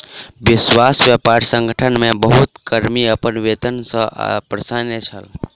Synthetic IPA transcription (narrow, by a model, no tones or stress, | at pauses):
bɪswasbjəpaɾsə̃ŋɡʱəʈʰənmebəɦut̪kəɾmiəpənʋet̪ənsə̰̃pɾəsanet͡ʃʰəl